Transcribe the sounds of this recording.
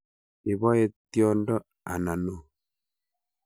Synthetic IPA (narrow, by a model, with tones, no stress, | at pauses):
e˨βɔ˦e˦tjɔ˦ndɔ˦ | a˨na˨no˨